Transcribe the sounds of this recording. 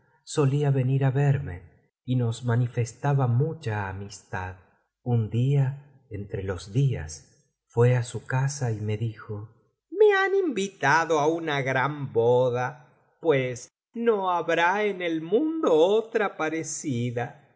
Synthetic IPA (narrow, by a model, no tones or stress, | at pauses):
so̞liaβe̞niɾaβeɾme̞ | ino̞smanife̞st̪aβamut͡ʃaːmist̪að | und̪ia | ent̪ɾelo̞zðia̰s | fwe̞asukasaime̞ðixo | meanimbit̪aðoaunaɣɾamboða | pwes | noaβɾaenelmũnd̪oot̪ɾapaɾesiða